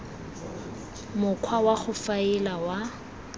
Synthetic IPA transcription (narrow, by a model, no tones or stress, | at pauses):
mʊkʰwawaχʊfaɪlawa